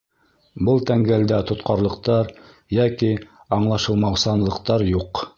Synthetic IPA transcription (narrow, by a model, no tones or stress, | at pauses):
bɤlˠt̪æŋɡæld̪æt̪ŏt̪qɑɾlˠɤ̆qt̪ɑɾ | jæki | ɑɴlˠɑʃɤ̆lˠmɑwsɑnlˠɤ̆qt̪ɑɾjuq